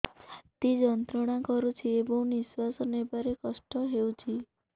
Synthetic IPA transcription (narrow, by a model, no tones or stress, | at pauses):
t̪id͡ʒɔnt̪ɾɔɽ̃ãkɔɾut͡ʃʰiebɔ̃w̃niswasɔnebaɾekɔsʈɔɦeũt͡ʃʰi